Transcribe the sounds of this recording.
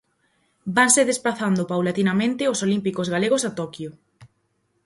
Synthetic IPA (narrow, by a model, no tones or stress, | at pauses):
baŋseðesplaθand̪ʊpawlat̪inamẽnt̪ɪosolimpikozɣaleɣosat̪ɔkjo